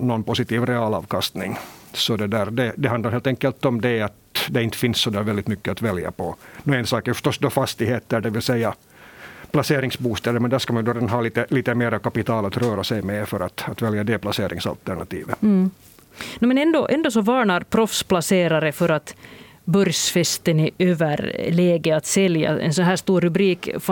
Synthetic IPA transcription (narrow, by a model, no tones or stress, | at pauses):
nɔnpʊsɪt̪iːvɾɛɑːlɑ̰ːvkɑst̪nɪŋsɔd̪ɛd̪æːɾd̪ɛd̪ɛɦand̪aɾheːlt̪ɛŋkːəlt̪ɔmd̪ɛɑt̪d̪ɛɪnt̪ːə̥fɪnsːɔd̪æːɾvɛld̪ɪt̪mʏkːəat̪vɛlja̰pɔnɔɛnsɑːkæɾfœ̥ʂt̪ɔsːd̪ɔfast̪ɪheːt̪ːəɖɛʋɪlsɛjːa | pʰlaseːɾɪŋsbuːst̪ɛːd̪əɾmɛnd̪æːʂkɑmanjɵd̪oɾeːd̪anɦɑːliːt̪əliːt̪əmeːɾakapɪt̪ʰɑːlat̪ɾœːɾasɛjmɛfœɾat̪at̪vɛljad̪ɛplaseːɾʔɪ̰ŋsa̰lt̪æɳa̰t̪ḭːvə | nmɛnɛnd̪oʔɛnd̪osɔvɑːɳɑɾpʰɾɔfsplaseːɾaɾəfœɾat̪ | bœɾjsfɛst̪ənɪøːvəɾlɛːɡəat̪sɛlja̰ɛ̰nsɔnɦæːʂt̪uːɾːʉbɾiːkf